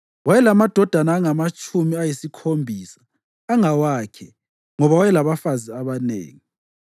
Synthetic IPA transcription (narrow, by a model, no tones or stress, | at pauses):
wajɛlamad̥ʱɔd̥ʱanaːŋamat͡ʃʼʰumiajisikʰombʱiːsḁː | ŋawakʰɛ | ŋɔβawajɛlaβafaziaβanḛːŋi